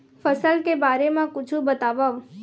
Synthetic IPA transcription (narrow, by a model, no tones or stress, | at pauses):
fəsəlkebaɾemãkʊt͡ʃʰũbət̪aʋaʋ